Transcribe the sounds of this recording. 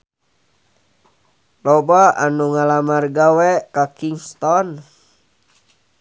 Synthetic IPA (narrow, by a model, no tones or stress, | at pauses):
lɔbaa̰nuŋalamarɡawɛʔkakiŋst̪ɔn